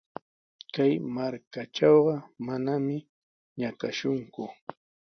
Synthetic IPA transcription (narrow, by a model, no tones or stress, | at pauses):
kajmaɾkaʈ͡ʂɑwɢɑmanamɪ | ɲakaʃʊŋkʊ